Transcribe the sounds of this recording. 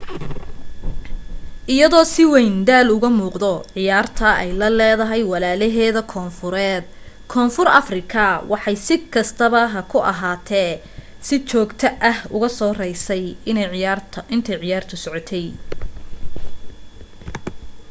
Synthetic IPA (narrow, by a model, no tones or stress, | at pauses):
ʔɪjɐðɔːsɪwɛjnd̪aːlʊɣɐmuːqd̪ɔʕɪjaːrt̪ʰɐʔɛjlɐlɛːðɐɦɛjwɑlaːlɛɦɛːðɐkʰɔːnfʊɾɛːd̪̚ | kʰɔːnfʊrɐ̰frɪkʰɐwʔɑħɑjsɪkʰɐst̪ʰɐβɐɦɐkʰʊʔɐ̰ɦaːt̪ʰɛː | sɪt͡ʃɔːɡt̪ʰɐʔɐhʊɣɐsɔːrɛjsɛjɪnɛjʕɪarʰɪnt̪ʰɛjʕɪjaːrt̪ʰʊsɔʕɔt̪ʰɛj